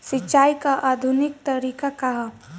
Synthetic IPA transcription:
sɪtːʃaːikaʔaːd̪ʱʊnɪk̚t̪ɐɾiːkakaɦ

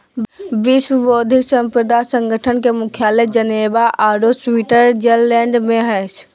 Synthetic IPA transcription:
biswəbod̪ʱisə̃mpɾəd̪asə̃ŋɡʱəʈʰənkemukʰjaled͡ʒənebaʔaɾoswiʈəɾd͡ʒelːɛ̃ɳɖmeɦəjt͡ʃʰ

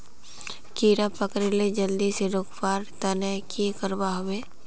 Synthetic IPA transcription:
kiːɾapəkɾeled͡ʒəld̪iseɾʊkbaːɾt̪ɐnəkikəɾbaɦʊweː

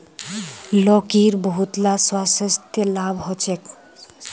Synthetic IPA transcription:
lɔkiɾbɔɦut̪laswasəst̪jəlabɦɔt͡ʃʰek

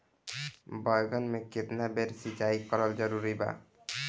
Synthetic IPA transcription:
bɔjɡɔnmekːet̪nabeɾsid͡ʒaikɔɾɔld͡ʒɔɾuɾiba̰

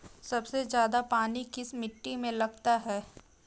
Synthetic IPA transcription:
sɐbsezjaːd̪apaːnikɪsmɪʈːimẽlɐɡt̪aɦɛː

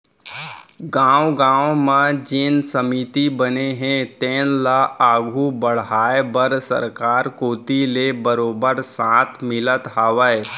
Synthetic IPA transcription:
ɡãːwɡãːõmãd͡ʒɪnsəmit̪ibəneɦɛ̃t̪ẽːnlaaːɡʱubəɽ̤ɦaːebəɾsə̰ɾkaːɾkoːt̪ilebəɾoːbəɾsãːt̪ʰmɪlət̪ɦaːʋəe

